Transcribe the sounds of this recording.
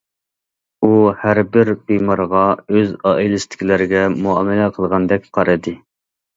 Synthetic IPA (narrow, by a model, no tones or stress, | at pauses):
uhæɾbɪɾbemɑɾʁɑøzɑʔilˠɨst̪ʰɪ̥kʲilɪɾɪɡʲɛmuɑːmɛlɛqʰəlˠʁɑnd̪ɛk̚ʲqʰɑɾɨd̪ɨ